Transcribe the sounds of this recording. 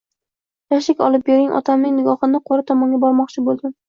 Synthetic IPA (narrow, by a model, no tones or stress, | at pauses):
jaʃɪkʲɒ̰lˠɪp̚beɾɪŋʔɒ̰t̪ʰamnɪŋnɪɡʲɒχɨnɪqʰoɾat̪ʰɒmɒŋɡʲabɒɾmɒqt͡ʃʰɪbolˠd̪ɪ